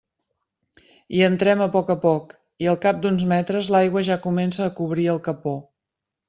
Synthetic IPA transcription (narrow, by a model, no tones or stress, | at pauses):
iənt̪ɾɛməpɔkəpɔk | iəlˠkap̚d̪unzmɛt̪ɾəzlajɣwəʒakumɛnsəːkuβ̞ɾiəlˠkəpo